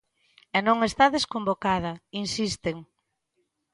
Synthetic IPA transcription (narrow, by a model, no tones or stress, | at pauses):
ɛnõŋest̪aðeskombokað̞ɐinsist̪eŋ